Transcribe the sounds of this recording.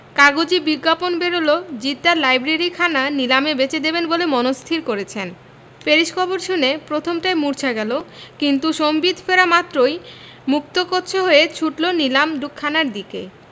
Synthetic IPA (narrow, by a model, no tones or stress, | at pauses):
kaɡod͡ʑibiɡːaponbeɾolod͡ʑit̪ːaɾlajbɾeɾikʰananilamebet͡ɕed̪ebenbolemɔnost̪ʰiɾkoɾet͡ɕʰen | peɾiʃkʰɔboɾʃunepɾot̪ʰomʈajmuɾt͡ɕʰaɡɛlokint̪uʃombid̪ʱfeɾamat̪ːɾoj | muk̚t̪okotːt͡ɕʰeɦoet͡ɕʰuʈlonilamɖukʰːanaɾd̪ikḛ